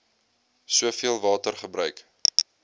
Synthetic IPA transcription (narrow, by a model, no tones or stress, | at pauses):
suəfiəlˠvɑːtərχəbɾœɥk